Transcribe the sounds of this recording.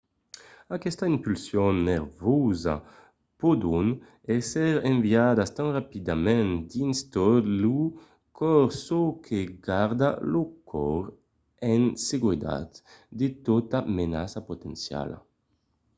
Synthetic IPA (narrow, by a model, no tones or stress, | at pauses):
akɛst̪aimpylsjɔnːeɾvɔza̰ | pod̪un | ɛsɛɾẽɱviad̪ast̪ãnrapid̪amɛ̃nd̪inst̪ɔlu | kʰɔɾsokʰeɡaɾd̪alokʰɔɾ | ɛnseɡwed̪a̰t̪d̪et̪ot̪amena̰sapot̪ḛnsja̰la̰